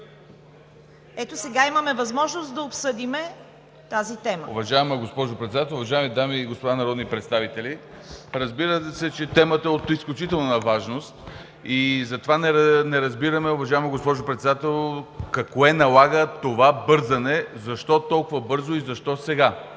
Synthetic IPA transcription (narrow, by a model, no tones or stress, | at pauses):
ɛt̪osɛɡaimɐmɛvɐzmɔʒnost̪d̪ɐopsɤd̪imɛ | t̪azit̪ɛməo̰vɐʒavɛmɛɡospɔʒʊpɾɛt̪sɛd̪at̪ɛlˠʊvɐʒaɛmid̪amiːɡospod̪anɐɾɔd̪nipɾɛt̪st̪avit̪ɛli | ɾɐzbiɾət̪sɛt͡ʃɛt̪ɛmət̪əɛot̪isklʲut͡ʃit̪ɛlˠnənɐvaʒnost̪ | izɐt̪ovanɛɾnɛɾɐzbiɾəmɛʊvɐʒavɛmɛɡospɔʒʊpɾɛt̪sɛd̪at̪ɛlˠkɐkoɛnɐlˠaɡət̪ovabɤɾzɐnɛzɐʃt̪ɔt̪ɔlˠkʊvɐbɤɾzoizɐʃt̪ɔsɛɡa